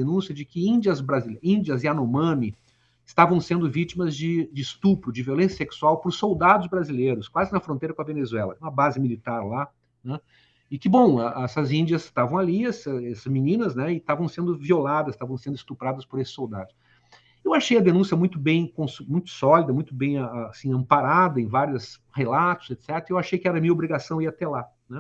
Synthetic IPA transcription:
enũsiɐd͡ʒɪkɪĩd͡ʒiɐzbɾazilĩnd͡ʒiɐzɪanomɐ̃mɪ | ɪst̪avɐ̃w̃sẽnd̪ʊvit͡ʃimɐzd͡ʒɪd͡ʒɪːst̪upɾʊd͡ʒɪviolẽsjɐseksuawpʊɾsowd̪ad̪ʊzbɾazilejɾʊskwazɪnɐfɾõnt̪ejɾɐkõɐvenezuɛlɐ̰ɛũmɐbazɪmilit̪aɾla | nɛ̃ | ɪkɪbõw̃aʔɛsɐzĩnd͡ʒɐst̪avɐ̃w̃aliɛsɐɛsɐzmĩnĩnɐznɛɪt̪avɐ̃w̃sẽnd̪ʊviolad̪ɐst̪avɐ̃w̃sẽnd̪ʊɪst̪upɾad̪ɐspʊɾesɪ̥sowd̪a̰d̪ʊs | ewaʃejɐd̪enũsiɐmũj̃t̪ʊbẽj̃kõsmũj̃t̪ʊ̥sɔlid̪ɐmũj̃t̪ʊbẽj̃aasĩɐ̃mpaɾad̪ɐẽj̃vaɾjʊs | helat̪ʊ̥z̥et̪sɛt̪eɾɐewaʃejkɪɛɾɐmĩɐobɾiɡasɐ̃w̃iɐat̪ɛla | nɛ̃

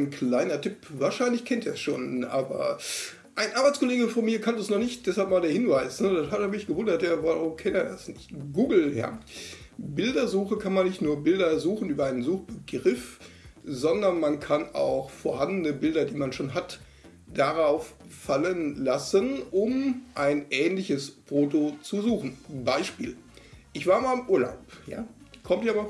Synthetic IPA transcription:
nklaɪnɐtʰʏpvaːɐʃaɪnlɪçkʰɛntiːɐsʃoːnʔaːbɐ̰ | ʔaɪnʔaɐbaɪt͡skʰoleːɡəfɔnmiːɐkʰantəsnɔχnɪçt̚d̥ɛshalpmaːldeːɐhɪnvaɪsnədahateːɐmɪçɡ̥əvʊndɐtjaːvaʁʊmkʰɛnteːɐdasnɪçtɡ̥uːɡl̩ja̰ | bɪldɐzuːxəkʰanmanːɪçtnuːɐbɪldɐzuːxn̩ʔyːbɐʔaɪnənzuːxb̥əɡʁɪf | zɔndɐnmankʰana̰ʊxfoːɐhandən̩əbɪldɐdiːmanʃoːnɦat | d̥aʁaʊffalənlasənʔʊmʔaɪnʔɛːnlɪçəsfoːtot͡suzuːxn̩baɪʃpiːlʔɪçv̥aːɐmaːɪmʔuːɐla̰ʊpja̰ːkʰɔmtiɐabɐ

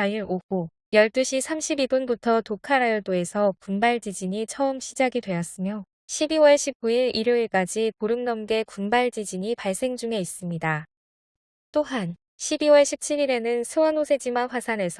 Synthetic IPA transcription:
aiɾoɸu | jʌɭt͈ɯɕʰisʰamɕʰibibunbutʰʌtokʰaɾajʌɭd͈oe̞sʰʌkumbaɭd͡ʑid͡ʑiɲit͡ɕʰʌɯmɕʰid͡ʑaɡidwe̞jʌs͈ɯmjo | ɕʰibiwʌɭɕʰib̚k͈uiɾiɾjoiɭk͈ad͡ʑikoɾɯmnʌmɡe̞kumbaɭd͡ʑid͡ʑiɲipaɭs͈e̞ŋd͡ʑuŋe̞is͈ɯmɲida | t͈oɦan | ɕʰibiwʌɭɕʰip̚t͡ɕʰiɾiɾe̞nɯnsʰɯwanosʰe̞d͡ʑimaɸwasʰane̞sʰʌ

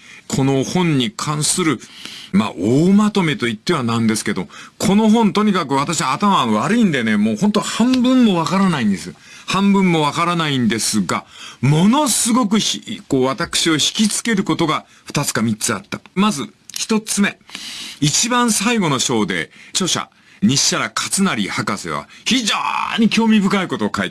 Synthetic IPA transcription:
kʰo̞no̞hõ̞ɲ̟ɲːikʰãɰ̃sɨɾɯ̟ma̰ʔoːmat̪o̞met̪o̞it̪ːe̞β̞anãnd̪e̞sɨ̥ke̞d̪okʰo̞no̞ɦõ̞nt̪o̞ɲ̟ikakɯ̟βat̪aɕiβaːt̪amaːnoβaɾɯ̟ĩnd̪e̞ne̞moːhont̪ohãmbɯ̟̃mːo̞β̞akaɾanaĩnd̪esɨ | hãmbɯ̟̃mːo̞β̞akaɾanaĩnd̪e̞sɨɡamo̞no̞sɨɡo̞k̬ɯ̟çko̞ːβat̪akɯ̟̥ɕio̞çi̥kʲit͡sɨ̥ke̞ɾɯ̟ko̞t̪o̞ɡa | ɸɯ̟̥t̪at͡sɨ̥kamʲitt͡sɨa̰t̪ːamazɨçi̥t̪o̞t͡sɨme̞it͡ɕibãɰ̃saiɡo̞no̞ɕo̞ːd̪e̞̰t͡ɕo̞ɕa̰ | ɲ̟iɕːaɾakʰḁt͡sɨnaɾʲihakasḛβa̰çiʑo̰ɲ̟ikʲo̞ːmʲibɯ̟kaiko̞t̪o̞ːkaḭt̪

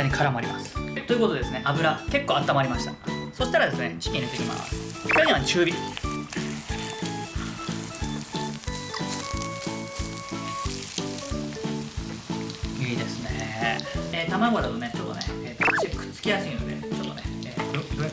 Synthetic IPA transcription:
aɲ̟ikʰaɾamoaɾʲḭmasɨ̥t̪o̞iɯ̟kooesɨne̞ʔabɯ̟ɾake̞kːoːat̪ːamaɾimaɕi̥t̪aso̞ɕi̥t̪aɾad̪e̞sɨnet͡ɕi̥kʲiɲet̪ekʲima̰sɨ̥ɾoɲ̟iβant͡ɕɨːbʲi | iːd̪e̞sɨne | eːt̪amamoɾat̪one̞t͡ɕo̞t̪ːoneeːikɯ̥t͡sɨ̥kʲijasɨĩnod̪e̞̰t͡ɕo̞t̪ːoneeː

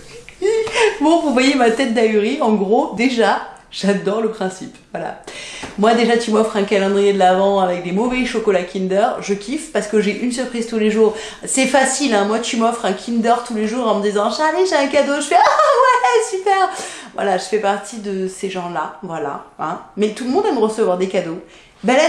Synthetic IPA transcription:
ibɔ̃vuvwajemat̪ɛt̪̚d̪ayʁiɑ̃ɡʁod̪eʒaʒ̥ad̪ɔʁləpχɛ̃sipvwala̰mwad̪eʒat̪ymɔfχɛ̃kalɑ̃d̪ʁijed̪əlavɑ̃avɛk̚d̪emɔvɛʃɔkɔlakʲind̪œʁʒəkʲʰifpaʁsə̥kəʒeʔyns̬yʁpχiz̥t̪uleʒuːʁ | sɛfasilɛ̃mwat̪ymɔfχɛ̃kʲʰind̪œʁt̪uleʒuʁɑ̃məd̪izɑ̃ʒaaleʒeɛ̃kad̪oʒəfɛavwalasypɛʁvwa̰laʒəfɛpaʁt̪ʰid̪əseʒɑ̃lavwala̰ɛ̃mɛt̪uləmɔ̃d̪aməʁəsəvwaʁd̪ekad̪o | bɛlɛ

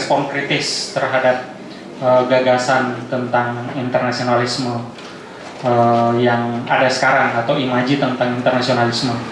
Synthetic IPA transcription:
spɔnkɾit̪ɪst̪ərɦadap̚ | əɡaɡasant̪ənt̪aŋint̪ərnasionalismə | əjaŋadasə̥kaɾaŋat̪awimad͡ʒit̪ənt̪aŋint̪ərnasionalismə

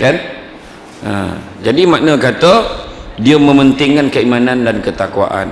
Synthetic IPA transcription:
kan | ʔə̰ | d͡ʒadimaʔnə̃kat̪ədiəmə̃mənt̪ɪŋkankəimanandankət̪akwa̰ʔa̰n

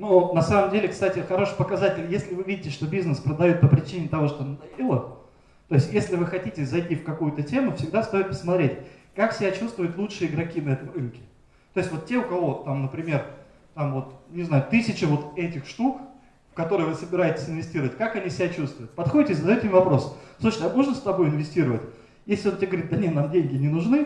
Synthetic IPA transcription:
nunɐsaməmdʲelʲɪkst̪atʲɪxɐɾo̞ʂɨjpəkɐzatʲɪlʲjesʲlʲɪvɨvʲidʲɪtʲɪʂt̪obʲiznəspɾəd̪ɐjot̪̚pəpɾʲɪt͡ɕinʲɪt̪ɐvo̞ʂt̪ond̪ɐilˠə | t̪o̞ɪsʲtʲjesʲlʲɪvɨxɐtʲitʲɪzɐjtʲifkɐkujʊt̪ətʲe̞mʊfsʲɪɡd̪ast̪o̞jɪt̪̚pə̥smɐt̪ɾʲetʲkaksʲɪbʲat͡ɕust̪vʊjʊt̪lˠutʂɨəɪɡɾɐkʲinɐɛt̪əmrɨnkʲɪ̥ | t̪o̞jɪsʲtʲvo̞t̪tʲe̞ʊkɐvo̞t̪amnəpɾʲɪmʲe̞r | t̪amvo̞t̪nʲɪznajʊt̪ɨsʲɪt͡ɕɪvo̞t̪ɛtʲɪxʂt̪uk | fkɐt̪o̞ɾɨjəvɨsəbʲɪɾajɪtʲɪ̥sʲɪnvʲɪsʲtʲiɾəvətʲkakɐnʲisʲɪbʲæt͡ɕust̪vʊjʊt̪̚pɐt̪xo̞dʲɪtʲɪzd̪jt̪ʲɪmʲɪvɐpɾo̞səɪuʂnəɐmoʐnəst̪ɐbo̞jɪnvʲɪsʲtʲiɾəvətʲ | jesʲlʲɪotʲaɡəvɾʲit̪d̪ɐnʲenamdʲenʲɡʲɪnʲɪnʊʐnɨ

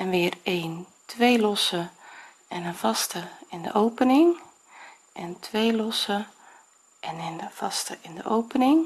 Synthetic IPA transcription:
ɛnʋɪəreːn | tʋejlɔsə | ɛnəv̥ɑstəɪndə̰ʔowpənɪŋ | ʔɛntʰʋejlɔsə | ʔɛnɪnəv̥ɑstəʔɪndə̰ʔowpənɪŋ

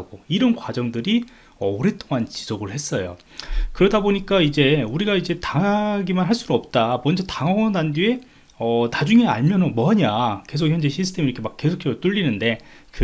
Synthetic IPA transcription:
ɡoiɾʌnɡwad͡ʑʌŋdɯɾi | ʌɾe̞t͈oŋant͡ɕi̥soɡɯɭhe̞s͈ʌjo̰ | kɯɾʌdaboɲik͈aid͡ʑe̞uɾiɡaid͡ʑe̞taŋaɡimanɦaɭs͈udʌp̚t͈amwʌnd͡ʑetaŋʌŋʌnandie̞ | ʌnad͡ʑuŋe̞a̰ɭmjʌnomwʌɦaɲake̞sʰok̚çjʌnd͡ʑe̞ɕʰisʰɯ̥tʰe̞miɾʌkʰe̞makk͈e̞sʰokʰe̞sʌt͈uʎːinɯnde̞kɯ

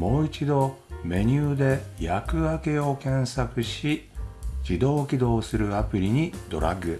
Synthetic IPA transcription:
mo̞ːit͡ɕid̪o̞me̞ɲ̟ɨːd̪e̞jakɯ̟ake̞o̞kẽ̞ɰ̃sakɯ̟ɕid͡ʑid̪o̞ːkʲid̪o̞ːsɨɾɯ̟apɯ̟ɾʲiɲ̟id̪o̞ɾa̰ɡɯ̟

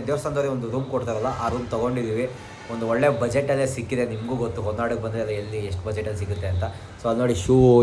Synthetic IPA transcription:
d̪eʋsɐnd̪oɾiond̪uɾuːmkoʈt̪aɾɐlːɐʔaːɾuːmt̪ɐɡo̞ɳɖid̪iːʋi | ond̪uɔɭːe̞bɐd͡ʒeʈːɐlːeːsikːid̪enimɡuːɡot̪ːuɦɔnːaːɽuk̚bɐnd̪ɾeɐlːɐelːieʂʈubɐd͡ʒeʈːɐlis̬iɡut̪ːe̞ɐnt̪ɐ | soːɐd̪uno̞ːɽiʃu

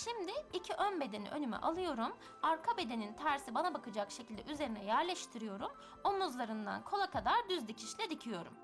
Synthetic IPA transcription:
ʃimd̪ɪːcʰiʔønbe̞d̪e̞nḭʔø̞̰nymɛ̰ʔalˠɯjo̞ɾum | aɾkʰabe̞d̪e̞nint̪ʰæɾsibanabakɯd͡ʒakʃe̞cʰilʲd̪ɛ̰ʔyze̞ɾinɛjæɾlʲɛʃt̪ʰiɾijo̞ɾum | o̞muzlˠaɾɯnd̪a̰nkʰo̞lˠakʰad̪aɾd̪yzd̪ʲicʰiʃlʲɛd̪icʰijo̞ɾṵm

